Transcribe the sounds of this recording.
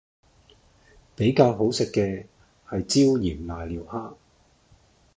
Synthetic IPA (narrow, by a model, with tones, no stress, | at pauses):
pe˨˥jkaː˧wɦo˨˥wsɪ˨kːɛː˧ | hɐ˨jt͡siː˥wjiː˨˩mlaː˨˩jliː˨˩whaː˥